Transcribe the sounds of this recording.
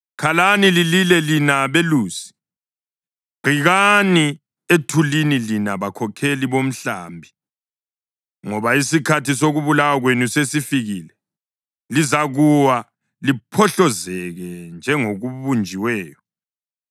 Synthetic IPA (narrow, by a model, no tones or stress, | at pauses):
kʰalanilililɛlinaβeluːsi̥ | ɡ͡ǃ̥ʱiɣani | etʰulinilinaβakʰɔkʰeliβom̩ɬa̰mbʱi | ŋɔβaisikʰatʰisoɣuβulawaɣwenusesifiɣilɛ | lizaɣuwa | lipʰɔɬɔzɛɣɛnd͡ʒʱɛŋoɣuβund͡ʒʱiwɛːjɔ